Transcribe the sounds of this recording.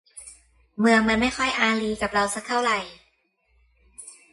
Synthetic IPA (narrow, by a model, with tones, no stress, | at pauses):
mɯ˧əŋma˧nma˥˩jxʰɔ˥˩jʔaː˧liː˧ka˨˩p̚ɾa˧wsa˧˥k̚tʰa˥˩wɾa˧˩j